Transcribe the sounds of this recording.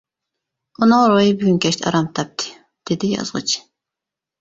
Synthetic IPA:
onɔɾojibyɡynkʰʲɛʃt̪ʰa̰ɾamt̪ʰɑp̚t̪ʰi̥ | d̪̥ed̪ijɑ̰zʁɑ̰t͡ʃʰi̥

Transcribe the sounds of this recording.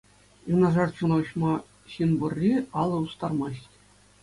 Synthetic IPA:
junɑʐɑrt͡ɕunɑɕmɑ | ɕinbŭrʲːiɑlˠɤ̆ust̪ɑrmɑɕtʲ

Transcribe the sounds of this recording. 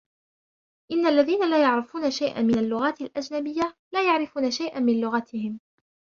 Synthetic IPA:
ʔɪnːalːaðiːnalaːjaʕɾɪfuːnaʃajʔa̰mɪnalːʊɣaːt̪alʔad͡ʒnabɪjːalaːjaʕɾɪfuːnaʃajʔamɪnlʊɣat̪ɪhɪm

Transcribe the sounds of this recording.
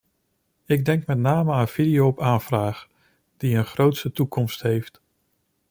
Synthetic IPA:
ɪɡ̚dɛŋkmɛtnaːməaːnənv̥idijopaːnvraːχ | d̥iənχrowtsətukɔmstɦejft

